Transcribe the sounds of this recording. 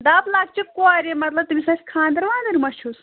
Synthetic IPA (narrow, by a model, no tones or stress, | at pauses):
d̪aːblaːk̚t͡ʃʰikuaːɾʲemɐt̪lɐb̚t̪misɐskʰãːnd̪ɐɾʋaːnd̪ɐɾʲmɐʃus